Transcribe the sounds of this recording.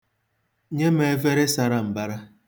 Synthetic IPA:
ɲe˦me˨˦ve˦ɾe˦sa˨ɾa˨m̩˨ba˦ɾa˦

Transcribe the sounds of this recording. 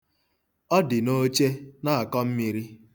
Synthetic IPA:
ɔ˦dɪ˨no˦t͡ʃe˦na˦a˨kɔ˦m̩˦mi˨ɾi˦

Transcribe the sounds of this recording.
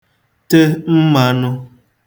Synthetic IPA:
tə˦m̩˦ma˨˦nɔ˦

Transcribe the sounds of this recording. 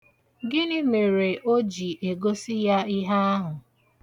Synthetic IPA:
ɡɪ˦nɪ˦me˨ɾe˨ʔo˦d͡ʒi˨ʔe˨ɡo˦si˦ja˦i˦ɦa˦a˦ɦʊ˨

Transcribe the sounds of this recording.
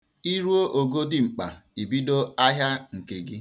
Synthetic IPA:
i˦ɾu˦o˦ʔo˨ɡo˦di˦ŋ͡m̩˨k͡pa̰˨i˨bi˦do˦a˦ɦja˦ŋ̩˨ke˨ɡɪ˦

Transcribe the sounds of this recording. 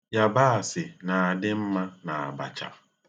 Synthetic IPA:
ja˨ba˦a˨sɪ˨na˨a˨dɪ˦m̩˦ma˦na˨a˨ba̰˨t͡ʃa̰˨

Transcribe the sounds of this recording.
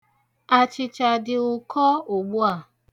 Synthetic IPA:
a˧t͡ʃɪ˧t͡ʃa˧dɪ˧o˧kʰɔ˦o˨ɡ͡bu˦a˦˨

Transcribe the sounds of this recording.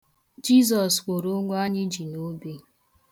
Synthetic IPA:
d͡ʒi˦zɔ˨skʷo˨ɾo˦ŋʷʊ˦a˦ɲɪ˦d͡ʒi˨no˦be˦

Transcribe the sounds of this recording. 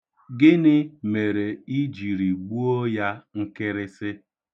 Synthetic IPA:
ɡɪ˦nɪ˦me˨ɾe˨i˦d͡ʒi˨ɾi˨ɡ͡bu˦o˦ja˦ŋ̩˦kɪ˦ɾɪ˦sɪ˦

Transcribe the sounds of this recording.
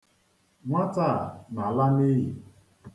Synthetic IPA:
ŋʷa˦ta˦˨na˨la˦ni˦ɦi˨

